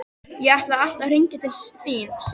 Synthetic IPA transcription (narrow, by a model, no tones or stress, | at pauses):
jɛɣaht̪laal̥t̪awr̥iɲcɪt̪ʰɪlsθiːns